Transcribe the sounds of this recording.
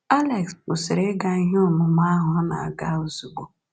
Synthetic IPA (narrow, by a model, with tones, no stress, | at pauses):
a˦le˨kskʊ˨sɪ˨ɾe˦ɡa˦i˦ɦɪ˦ʊ˨mʊ˨m˦a˦ɦʊ˨a˦na̰˨a̰˨ɡa˦ʊ˨zu˨ɡ͡bo˨